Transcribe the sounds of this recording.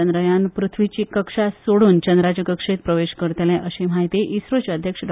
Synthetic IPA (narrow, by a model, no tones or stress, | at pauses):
ənd̪ɾəjanpɾut̪ʰʋit͡ɕikəkʂasoɽuːnt͡ɕənd̪ɾat͡ɕekəkʂet̪̚pɾəʋeɕkəɾt̪elɛ̃ʔəɕem̤aɦit̪iʔisɾot͡ɕeəd̪ʱjəkʂəɖ